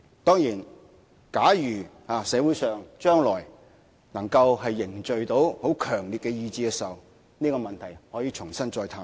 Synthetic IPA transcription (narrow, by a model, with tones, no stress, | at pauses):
t̪ɔː˥ŋjiː˨˩n | kaː˨˥jyː˨˩haː˨˧sɛː˨˧wu˨˥jsœː˨ŋt͡ʃœː˥ŋlɔː˨˩j | nɐ˨˩ŋkɐ˧whɐ˨jːɪ˨˩ŋt͡ʃɵ˨ɥt̪o˨˥who˨˥wkʰœː˨˩ŋliː˨t̚kɛ˧jiː˧t͡siː˨˧kɛ˧˥sɐ˨˩w | niː˥kɔː˧mɐ˨nt̪ʰɐ˨˩jhɔː˨˥jiː˧t͡ʃʰʊ˨˩ŋsɐ˥nt͡sɔː˧jt̪ʰaː˧˥